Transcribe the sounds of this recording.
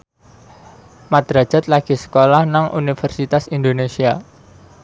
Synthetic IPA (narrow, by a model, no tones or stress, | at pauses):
mad̪ɾḁd͡ʒa̤t̪laɡ̥i̤sə̥kolahnaŋʔṵnifərsit̪asind̪onesia